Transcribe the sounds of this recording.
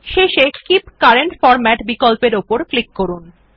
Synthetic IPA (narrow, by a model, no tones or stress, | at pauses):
ʃeʃekipkaɾeɳʈfɔɾmɛʈbikolpeɾopoɾklikːoɾun